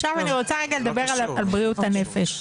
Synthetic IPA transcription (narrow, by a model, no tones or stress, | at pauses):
ʃavaniʁo̞t͡saʁeɡaled̪abe̞ʁalalbʁiut̪anefeʃ